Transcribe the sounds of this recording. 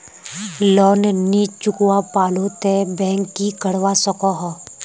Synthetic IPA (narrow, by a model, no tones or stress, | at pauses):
lɔːnnit͡ʃʊkwapaːlot̪ebɛ̃ːŋkːikəɽwasəkaɦɔ